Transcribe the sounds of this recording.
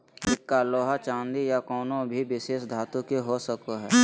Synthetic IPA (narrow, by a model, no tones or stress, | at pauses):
ɪtkaloːɦat͡ʃãːnd̪ijakɔːnõbʱibɪseːʃd̪ʱaːt̪õkeɦosəkoɦɛː